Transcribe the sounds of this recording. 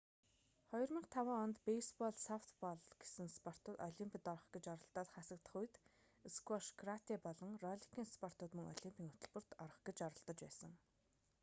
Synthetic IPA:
χɔj̆rmiːqt̪ʰawaːɔnt̪pejspɔɮsawt̪ʰpɔɮɡ̥esɘ̆ŋspɔr̥t̪ːɔɮimpʰʲĭt̪ɔɾ̆χɡ̥et͡ɕɔɾɞ̆ɬt̪ɔːt̪χasə̆k̚t̪ə̆χujt̪ | eskwɔʃɡrat̪iːpɔɮɞ̆ŋrɔɮikʰiːŋspɔr̥t̪ʊːt̪mɵŋɔ̰ɮimpʰʲiːŋʊt̪ɵ̆ɮpɵ̆r̥t̪ɔɾ̆χɡet͡ɕɔɾɞ̆ɬt̪ɞ̆t͡ɕpæːsə̆ŋ

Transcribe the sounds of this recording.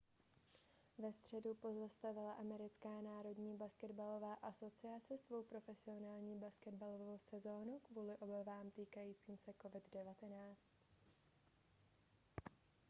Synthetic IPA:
vɛst̪r̝̥ɛdupo̞zast̪avɪlaʔamɛɾɪt͡skaːnaːɾo̞dɲiːbaskɛdbalo̞vaːʔaso̞t͡sɪat͡sɪsvo̞wpɾo̞fɛsɪo̞naːlɲiːbaskɛdbalovowsɛzo̞ːnukvuːlɪʔo̞bavaːmt̪iːkajiːt͡siːmsɛko̞vɪddɛvat̪ɛnaːt͡st̪

